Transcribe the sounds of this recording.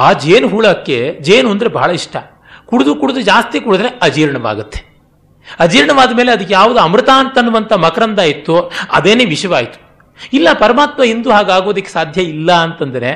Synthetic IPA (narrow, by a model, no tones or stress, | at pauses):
aːd͡ʒeːnɦuːɭɐkːed͡ʒeːnond̪ɾe̞bʱɐːɭɐiʂʈʰɐ | kuɽud̪ukuɽud̪ud͡ʒaːst̪ikuɽud̪ɾe̞ɐd͡ʒiːɾɐɳɐʋa̰ːɡut̪ːe | ɐd͡ʒiːɾɳɐʋaːd̪ɐmeːleɐd̪ikːejaːʋud̪uɐmɾɨt̪aːnt̪ɐnːuʋɐnt̪ʰɐmɐkɾɐnd̪aːjit̪ːuɐ̰d̪eːneːʋiʂɐʋaːjit̪u̥ | ilːɐpɐɾɐmaːt̪mɐind̪uɦaːɡaːɡo̞ːd̪ɐkːesaːd̪ʱjɐilːɐːnt̪ɐnd̪ɐɾe̞